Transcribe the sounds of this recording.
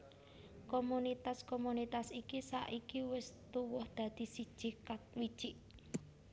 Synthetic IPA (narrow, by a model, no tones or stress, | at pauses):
komunit̪askomunit̪asikisa̰ʔikiwɪst̪uwʊhd̪̥a̤d̪̥i̤sid̥ʒ̥ikat̪̚wid̥ʒ̥iʔ